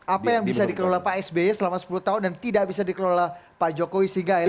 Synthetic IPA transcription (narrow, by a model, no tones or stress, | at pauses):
apajaŋbisadikəɾolahpaɛsbeɛsəlamasə̥pulut̪aɦʊndant̪idaʔbisadikəɾolahpad͡ʒokowisəiŋɡa